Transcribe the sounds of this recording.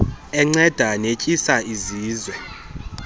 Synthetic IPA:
ɛŋ͡ǀɛd̥ʱanecʼisaiziːzwɛ

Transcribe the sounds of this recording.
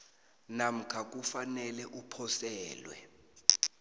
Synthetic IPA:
nam̩kʰak̬ʼufanɛlɛʔupʰɔsɛːlwɛ̰

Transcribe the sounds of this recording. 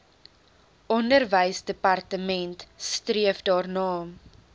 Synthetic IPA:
ʔɔndərvəjsdəpɐrtəmɛntstriəfdɑːrnɑːm

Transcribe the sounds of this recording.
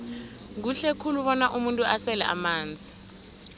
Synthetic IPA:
k̬uɬekʰuluɓɔnaʔumuntʼuasɛlɛ̰ʔa̰maːnd͡zʱi

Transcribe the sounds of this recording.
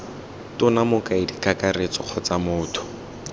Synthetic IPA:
tʊnamʊkʼaidikakaret͡sɔq͡χʰɔt͡samʊːtʰʊ̥

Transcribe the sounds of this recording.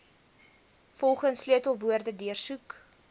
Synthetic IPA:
fɔlˠχənsliətəlˠvuərdədyərsuk

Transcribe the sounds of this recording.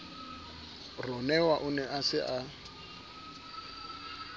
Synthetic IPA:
rɔnɛwaʔʊnɛʔasɪʔa

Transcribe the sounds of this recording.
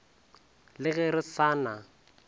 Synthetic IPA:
lɪɣɛɾɪsaːna

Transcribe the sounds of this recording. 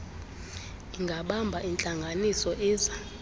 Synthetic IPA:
iŋɡʱaɓambʱaʔint͡ɬʼaŋɡʱanisɔʔiːza

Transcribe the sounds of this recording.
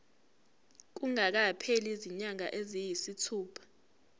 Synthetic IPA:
k̬uŋak̬apʰeliziɲaŋa̰ʔezijisitʰuːpʰḁ

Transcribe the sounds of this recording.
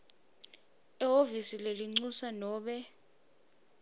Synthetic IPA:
ɛɦovisileliŋ͡ǀusanɔːɓɛ

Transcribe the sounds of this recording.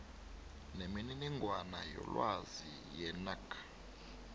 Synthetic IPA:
nemininiŋɡʱwanajɔ̰lwazi | jɛnakʰḁ

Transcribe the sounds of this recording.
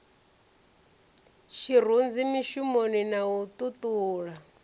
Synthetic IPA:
ʃir̤und͡zimiʃumoninaut̪ʼut̪ʼuːɺa

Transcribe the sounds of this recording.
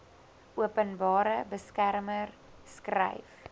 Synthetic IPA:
ʔuəpənbɑːɾəbəskærmər | skrə̰jf

